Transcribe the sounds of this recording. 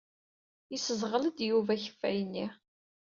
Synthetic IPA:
isəzʁələd̪juvæçə̥fːæ̰jənːi

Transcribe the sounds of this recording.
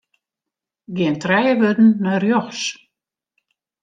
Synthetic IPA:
ɡɪəntrɛjəʋødn̩ːœrjɔxs

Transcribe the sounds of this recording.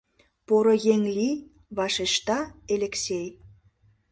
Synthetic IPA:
poɾŏjeŋli | βɑʃeʃt̪ɑelʲeksʲej

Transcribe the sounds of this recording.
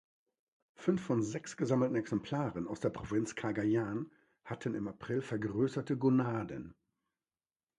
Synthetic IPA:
fʏnfːɔnzɛksɡ̥əzaml̩tn̩ɛksɛmpʰl̥aːʁənaʊsd̥eːɐpʁ̥ovɪnt͡skʰaɡajaːn | hatʰənɪmapʁ̥ɪlfɛɐɡʁøːsɐtəɡonaːdə̰n

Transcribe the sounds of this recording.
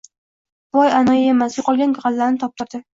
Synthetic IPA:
b̥ɒjanajajemaslɪqʰɒlˠɡʲanɡʲʁɑlːaɾnɪt̪ʰɒp̚t̪ɪɾd̪ɪ

